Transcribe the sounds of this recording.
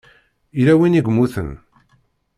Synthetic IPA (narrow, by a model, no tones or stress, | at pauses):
iɾæwiniɡmuθə̰n